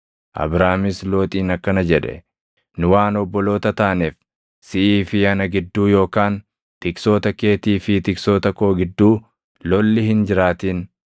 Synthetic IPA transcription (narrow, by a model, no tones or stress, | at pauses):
ʔɐ̰bɾaːmɪslo̞ːt̪ʼiːnɐkːɐnɐd͡ʒɛᶑɛ̰ | nʊwaːnɔbːɔlo̞ːt̪ɐt̪aːneːf | sɪʔiːfɪjɐnɐɡɪd̪ːuːjo̞ːkaːn | t̪ɪkso̞ːt̪ɐke̞ːt̪iːfɪt̪ɪkso̞ːt̪ɐko̞ːɡɪd̪ːuː | lɔlːɪhɪnd͡ʒɪɾaːt̪iːn